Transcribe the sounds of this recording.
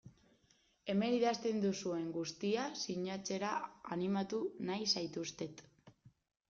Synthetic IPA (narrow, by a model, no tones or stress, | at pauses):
e̞me̞niðast̪e̞nd̪usue̞ŋɡust̪iasiɲat͡se̞ɾaanimat̪unajsajt̪ust̪e̞t̪